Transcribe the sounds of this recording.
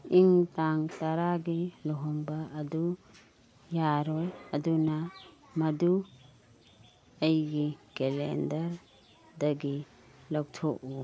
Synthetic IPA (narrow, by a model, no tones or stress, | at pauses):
iŋtaŋtaɾaɡilɔɦɔŋbɐːdu | jaɾɔjɐdunɐ | mɐdu | ɐjɡikelḛndɐɾ | dɐɡi | lawtʰɔku